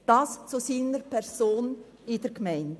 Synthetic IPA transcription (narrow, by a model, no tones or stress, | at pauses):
d̥ɑːst͡susiːnəɾpʰɛɾsoːn | ɪd̥ɛɾɡmɛɪnd